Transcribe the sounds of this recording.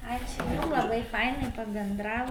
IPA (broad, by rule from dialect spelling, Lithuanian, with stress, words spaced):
ˈɑːt͡ʃʲʊ jʊm lˠɐˈbɐɪ ˈfɐɪnɐɪ pɐbʲɛnˈdrɑːʋoː